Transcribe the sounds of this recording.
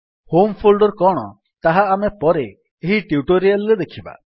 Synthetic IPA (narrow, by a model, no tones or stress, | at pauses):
hompʰolɖɔɾkɔɽ̃ɔ | t̪aɦaːmepɔɾe | eɦiʈiuʈoɾijalɾed̪ekʰiba̰